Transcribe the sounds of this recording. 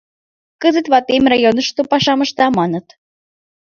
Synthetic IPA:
kəzət̪βɑt̪emrɑjonəʃt̪opɑʃɑməʃt̪ɑmɑnət̪

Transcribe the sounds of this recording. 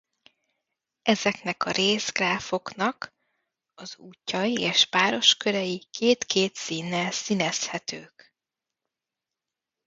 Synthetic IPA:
ʔɛzɛknɛkɒɾʔeːzɡraːfo̞knɒk | ɒzuːcːɒjieːʃpaːɾo̞ʃkø̞ɾɛjikʰeːt̪kʰeːt̪siːnːɛlsinɛshɛt̪øːk

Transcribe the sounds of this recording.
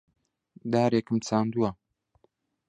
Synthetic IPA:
d̪aːɾeːkɨmt͡saːnd̪uwa

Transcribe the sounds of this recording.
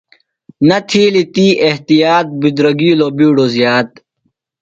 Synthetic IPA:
nɐt̪ʰiːlit̪iːʔeht̪ijaːt̪̚bid̪ɾɐɡiuloːbiːɽoːzjaːt̪̚

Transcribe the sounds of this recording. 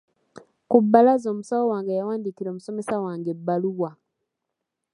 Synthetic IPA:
kubːalazo̞ːmusawowaːŋɡajawaːndikiɾo̞ːmuso̞me̞sawaːŋɡebːaluwa

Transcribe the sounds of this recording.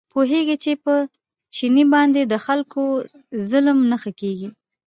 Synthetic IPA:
poɦeɡit͡ʃepə | t͡ʃinibɑnd̪ed̪əxalko | zʊlmnəxakeɡi

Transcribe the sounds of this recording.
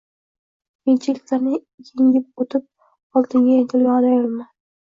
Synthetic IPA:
ent͡ʃʰɪlɪkʲlaɾnɪ | jʰeŋɡʲɪp̚ot̪ʰɪp̚ | ɒlˠt̪ɪŋɡʲajet̪ʰɪlʲaɑlajolˠman

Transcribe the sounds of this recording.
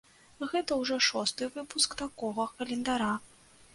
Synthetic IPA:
ɣɛt̪ɐwʐɔʂɔst̪ɨvɨpuskt̪akɔɣɐkɐlʲɛnd̪aɾa

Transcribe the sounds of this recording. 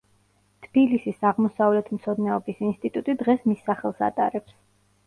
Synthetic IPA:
t̪ʰb̥ilisisaʁmɔsavlɛt̪ʰmt̪sʰɔd̪nɛɔbisinst̪ʼit̪ʼut̪ʼid̪ʁɛsmisːaχɛlˠsa̰t̪ʼa̰ɾɛps

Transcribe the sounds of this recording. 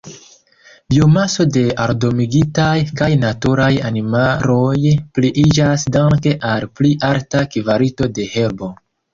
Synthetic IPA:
biomaso̞de̞aɾdo̞miɡitajkajnatuɾajanimalo̞jpliʔid͡ʒasdaŋke̞ʔalpliʔaɾtakivaɾito̞de̞he̞ɾbo̞

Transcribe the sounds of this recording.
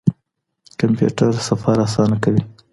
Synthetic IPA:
kampjṵʈaɾsafaɾasɑnakawi

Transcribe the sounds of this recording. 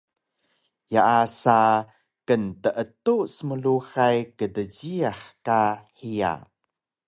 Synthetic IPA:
jaʔasa | kəntəʔətusəməluxajkədəɟiaħkaħija̰

